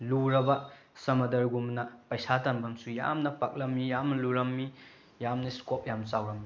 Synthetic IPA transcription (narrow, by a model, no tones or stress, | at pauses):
luɾɐbɐ | sɐmɐdɐɾɡumnɐpɐjsatanbɐŋsuja̰mnɐpak̚lɐmːijamnɐluɾɐmːi | jamnɐskop̚jamsawɾɐmːi